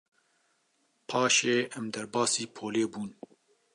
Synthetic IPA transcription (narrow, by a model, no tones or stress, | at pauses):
pʰɑːʃeːʔɛmd̪ɐɾbɑːsiːpʰoːleːbuːn